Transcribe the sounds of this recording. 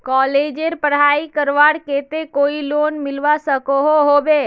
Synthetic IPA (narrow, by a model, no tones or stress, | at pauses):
kɔled͡ʒeɾpəɽ̤aikəɾʋaɽket̪ekoilonmilʋasəkoɦoɦobe